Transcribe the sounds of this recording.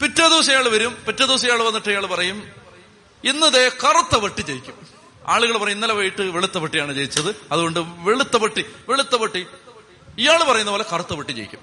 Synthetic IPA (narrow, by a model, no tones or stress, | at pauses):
pitːɐd̪iʋɐsɐjaːɭɨʋɐɾumpitːɐd̪iʋɐs̬ɐjaːɭʋɐnːiʈːɨijaːɭɨpɐrɐjum | inːɐðekɐrut̪ːɐʋɐʈːit͡ɕejikʲːum | a̰ːɭuɣɐɭpɐrɐjunːɐlɐʋɐjiʈːɨʋeɭut̪ːɐʋɐʈːijaːɳɨt͡ɕejit͡ɕːɐðɨɐðuɣo̞ɳɖɨʋeɭut̪ːɐʋɐʈːiʋeɭut̪ːɐʋɐʈːi | ijaːɭpɐrɐjunːɐpoːlekɐrut̪ːɐʋɐʈːit͡ɕejikʲːu̥̰m